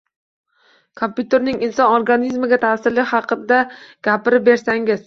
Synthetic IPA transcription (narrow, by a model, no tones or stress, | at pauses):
kʰompʰʲjut̪eɾnɪŋɪnsɒnoɾɡanizmɪɡʲat̪ʰasɪɾlɪhɑqɨd̪aɡ̥ʲapɪɾɪp̚be̞ɾsaŋɪz̥